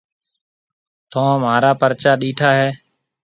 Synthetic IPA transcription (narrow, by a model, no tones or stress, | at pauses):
t̪ʰõːmaːɾaːpəɾt͡ʃaːɗiːʈʰaːɦɛː